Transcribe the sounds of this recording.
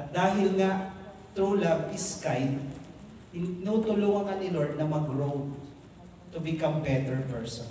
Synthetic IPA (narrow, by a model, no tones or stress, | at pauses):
ɐt̪̚d̪aːɦɪlŋaʔ | t̪ɾulabʔɪskajd̪ | ɪnɪnut̪ʊlʊŋɐŋɐnɪloɹd̪̚nɐmɐɡɹowd̪ | t̪ʊbɪkambɛt̪ɛɹpɛɹsɔn